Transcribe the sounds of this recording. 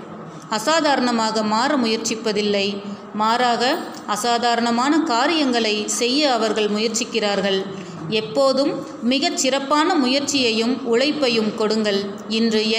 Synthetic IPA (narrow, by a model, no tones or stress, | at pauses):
ɐsaːðaːɾɐɳɐmaːɣɐmaːɾɐmʊjɐɾt͡ʃɪpːɐðɪlːɐɪ | maːɾaːɣɐ | ɐsaːðaːɾɐɳɐmaːnɐkaːɾɪjɐŋɡɐɭɐɪsɛjːɐːʋɐɾɣɐɭmʊjɐɾt͡ʃɪkːɪraːɾɣɐɭ | ɛpːoːðɯmː | ɪɣɐt͡ʃːɪrɐpːaːnɐmʊjɐɾt͡ʃɪjɐjɯmʊɻɐɪpːɐjɯmkɔɽɯŋɡɐɭ | ɪndrɯ